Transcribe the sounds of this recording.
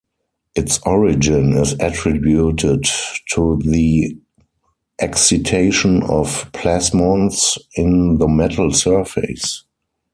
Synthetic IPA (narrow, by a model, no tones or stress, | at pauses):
ʔɪtsʔɔɹɪd͡ʒɪ̃nɪsætɹɪbjutʰɪdtʰuði | ʔɛksitʰeɪʃɔ̃nɔfpʰlæsmɔ̃nsɪ̃nðəmɛtʰl̩sɜ˞fḛs